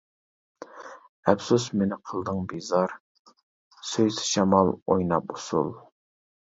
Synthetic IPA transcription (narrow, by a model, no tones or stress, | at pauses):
ɛpsusmenɪqʰəlˠd̪əŋbizɑɾ | søjsɪ̥ʃɛmɑlˠojnɑp̚usṵlˠ